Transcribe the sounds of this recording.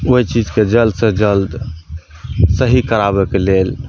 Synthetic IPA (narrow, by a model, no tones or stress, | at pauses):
oit͡ʃid͡ʒked͡ʒəld̪sə̃d͡ʒəld̪ | səɦikəɾabɛkelel